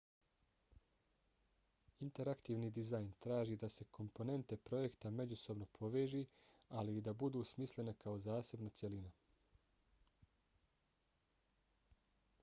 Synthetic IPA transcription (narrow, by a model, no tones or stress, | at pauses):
int̪e̞ɾakt̪iːʋnid̪izajnt̪ɾaːʒiːd̪ase̞kʰo̞mpo̞ne̞nt̪e̞pɾo̞je̞kt̪amed͡ʑuso̞bno̞pʰo̞ʋeːʒiːaliːd̪abud̪uːsmisle̞nekao̞zaːse̞bnat̪sje̞lina